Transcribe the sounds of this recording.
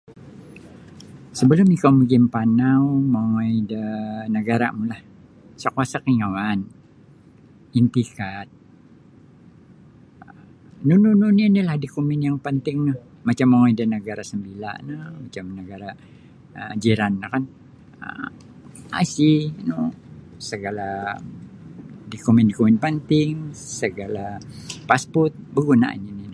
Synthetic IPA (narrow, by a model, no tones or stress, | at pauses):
səbəlʊmikawməɡɪmpanawmaŋajdənəɡaɾa̰mulah | sakuasakiŋawan | int̪ikat̪̚ | nunununinilahdikumɪnjaŋpənt̪ɪŋnəh | mat͡ʃamːaŋaidanəɡaɾasəmbila̰nəmat͡ʃamnəɡaɾa | əd͡ʒiɾanːakan | ə̰ | a̰sinusəɡala | dikumɪndikumɪnpənt̪ɪŋsəɡalapaspɔrt̪̚bəɡuna̰ʔa̰ninina